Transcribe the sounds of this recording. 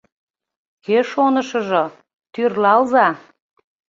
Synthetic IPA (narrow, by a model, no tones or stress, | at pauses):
keʃonəʃə̆ʒŏ | t̪yrlɑlzɑ